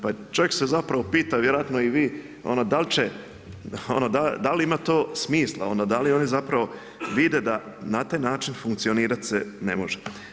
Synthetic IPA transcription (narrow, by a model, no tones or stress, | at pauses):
pat͡ʃoʋje̞ksezapɾaʋo̞piːt̪aʋjeɾoat̪noiʋiː | o̰nod̪alt͡ɕe | onod̪ad̪aliimat̪o̞ːsmiːslˠa̰onod̪alio̞nizapɾaʋo̞ | ʋid̪ed̪a | nat̪aːjnaːt͡ʃinfuŋkt̪sio̞niːɾat̪senḛmo̞ʒe